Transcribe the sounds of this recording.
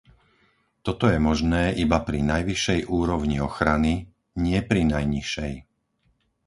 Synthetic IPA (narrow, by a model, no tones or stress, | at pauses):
t̪ɔt̪ɔjɛmɔʒnɛːʔibapɾinajʋiʃɛjʔuːɾɔʊɲiɔxɾani | ɲɪɛpɾinajɲiʃɛj